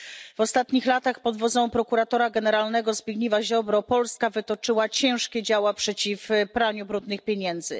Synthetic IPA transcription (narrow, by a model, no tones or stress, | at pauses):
vɔst̪at̪ɲixlat̪axpɔd̪vɔd̪zɔ̃w̃pɾɔkuɾat̪ɔɾaɡɛnɛɾalnɛɡɔzbʲjiɡɲivaʑɔbɾɔpɔlskavɘt̪ɔt͡ʂɘwat͡ɕɛ̃w̃ʂkʲɛd͡ʑawapʂɛt͡ɕifpɾaɲubɾud̪nɘxpʲjeɲɛnd̪zɘ̰